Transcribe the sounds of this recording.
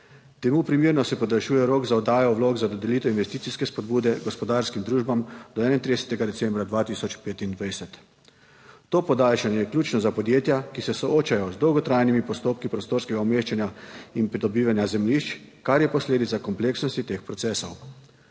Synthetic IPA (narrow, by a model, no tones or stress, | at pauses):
t̪ɛmupɾimiːɾnɔsɛpɔd̪alʃuːjɛɾoːɡzaɔd̪aːjɔwloːɡzad̪ɔd̪ɛlit̪ɛinʋɛst̪iːtsiskɛspɔd̪buːd̪ɛɡɔspɔd̪aːɾskimd̪ɾuːʒbamd̪ɔɛːnajint̪ɾid̪ɛsɛ̥t̪ɛɡad̪ɛsɛmbɾad̪ʋaːt̪isɔt͡ʃpeːt̪ind̪ʋajsɛt̪ | oːpɔd̪aːlʃanjɛjɛkljuːt͡ʃnɔzapɔd̪jeːt̪jakisɛsɔoːt͡ʃajɔzd̪ɔwɡɔt̪ɾajnimipɔst̪oːpkipɾɔst̪oːɾskɛɡaɔmeːʃt͡ʃanjainpɾid̪ɔbiːʋanjazɛmliʃt͡ʃkaɾjɛpɔsleːd̪it̪sakɔmpleːksnɔst̪it̪expɾɔtsɛːsɔw